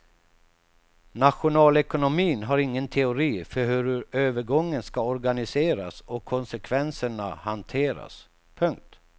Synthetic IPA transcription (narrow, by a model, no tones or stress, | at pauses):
naɧʊnɑːlɛkʊnʊmiːnɦaɾɪŋːənt̪ʰɛʊɾiːfœɾɦɵɾɵøːvəɾɡɔŋːənskaɔɾɡanɪseːɾa̰sɔkʰːɔnsɛkʰvɛnsəɳa̰hant̪ʰeːɾa̰s | pʰɵŋk̚t̪